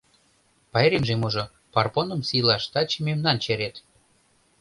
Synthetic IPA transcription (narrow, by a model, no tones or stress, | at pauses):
pɑeɾimʒemuʒŏ | pɑrponə̆msilɑʃt̪ɑt͡ɕimemnɑnt͡ɕeɾet̪